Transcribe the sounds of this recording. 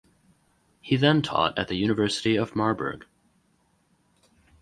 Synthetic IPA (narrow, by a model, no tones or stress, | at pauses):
hiðə̃ntʰɔ̰ɾɨ̰t̪̚ðɨjʉnɨvɜ˞səɾiʌvmɑɹbə̰˞ɡ̥